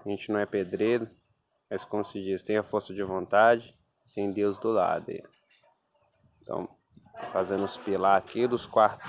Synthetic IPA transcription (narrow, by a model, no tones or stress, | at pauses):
aʒẽnt͡ʃɪnɐ̃w̃ɛped̪ɾeɾʊ | mɐskõmʊsɪd͡ʒist̪ẽj̃efoɾsʊd͡ʒɪvõnt̪ad͡ʒɪ | t̪ẽj̃d̪ewzd̪ʊla̰d̪ʊḛ | t̪ʰɐ̰̃w̃ | fazẽnʊspilaɾakid̪ʊskwaɾt̪ʊ